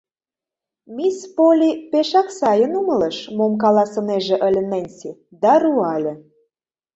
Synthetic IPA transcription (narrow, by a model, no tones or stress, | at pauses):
mispolʲipeʃɑksɑjə̆numə̆lə̆ʃmomk̬ɑlɑsɤ̆neʒĕʔə̆lʲə̆nənʲsid̪ɑruɑlʲɘ̆